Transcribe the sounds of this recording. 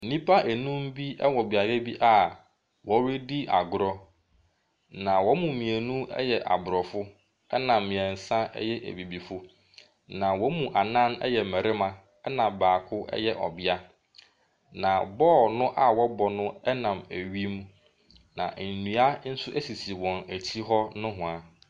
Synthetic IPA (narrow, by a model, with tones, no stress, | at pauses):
nĩ˦pʰa˦ʔæ˨nũ˦m̩˦bi˦ɛ̰˦wɔ˨bɪ˨a˨jɛ˦bi˦ʔa˨ | wɔ˦ɾɪ˦di˦a̰˨ɡʊ˨ɾɔ˦ | nã˨wɔ˦mũ˨mĩ˨æ˨nũ˦ɛ̰˦jɛ˨ʔa̰˨bʊ˨ɾɔ˨fʊ˦ | ɛ˦nã˨mːɪ̃˨ɛ̃˨n̩˨sã˦ɛ̰˦jɛ˦ʔæ̰˨bi˨bi˨fʊ˦ | nã˨wɔ˦mũ˨ʔa˨nã˦nɛ̰˦jɛ˨mɛ˨ɾɪ˦mã˨ | ɛ˦nã˨mbaː˨kʰʊ˦ɛ̰˦jɛ˦ʔɔ̰˨bɪ˦a˦ | nã˨bɔː˦˨nʊ̃˦ʔa˦wɔ˦bɔ˨nʊ̃˦ɛ˦nã˨mæ˨ɥi˦m˦ | nã̰˨ʔn̩˨nũ˨a˦n̩˦sʊ˦ʔæ˦si˨si˨wɔ̃˨næ˨t͡ɕʰi˦ɦɔ˦nʊ̃˦ɦʊ̃˨a˨